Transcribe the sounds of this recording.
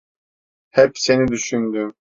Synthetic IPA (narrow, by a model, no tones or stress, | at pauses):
hɛpsenid̪yʃynd̪ym